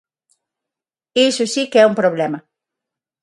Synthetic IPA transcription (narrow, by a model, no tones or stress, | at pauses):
isʊsikɛumpɾoβlɛmɐ